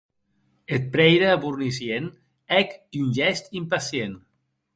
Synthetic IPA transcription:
et̪̚pɾɛjɾaːβurnisjen | ɛkiunʲʒɛst̪impasjen

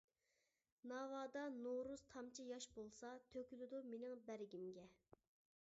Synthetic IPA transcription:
nɑːwɑːd̪ɑnoɾuz̥t̪ʰɑmt͡ʃʰijɑʃbolˠsɑt̪ʰøkʲylɪd̪umenɪŋbæɾɪɡʲimɡʲɛ

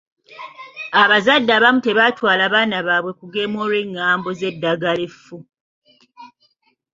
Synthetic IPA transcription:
aβazadːaβamute̞βatwaːlaβaːnaβaːβwe̞kuɡe̞ːmo̞ːlwe̞ŋːaːmbo̞ze̞dːaɡale̞fu

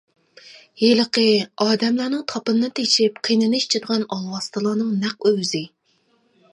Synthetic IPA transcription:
jeləqəɑːd̪ɛmlænɨŋt̪ʰɑpɨnːɨt̪ʰeʃip̚qʰinɨnɨʃt͡ʃʰɪd̪əʁɑnɑlˠwɑst̪ɨlˠɑːnɨŋnæq̚øwzɪ

